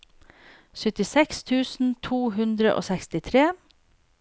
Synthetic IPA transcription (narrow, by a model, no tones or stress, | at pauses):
sʏt̪ɪsɛkst̪ʰʉːsn̩t̪ʰuːɦʉnd̪ɾə̰ʔo̰ːsɛkst̪ɪt̪ʰɾeː